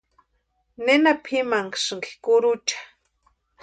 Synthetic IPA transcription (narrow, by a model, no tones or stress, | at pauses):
nenapʰimaŋkʃŋki̥kʊɾʊt͡ʃḁ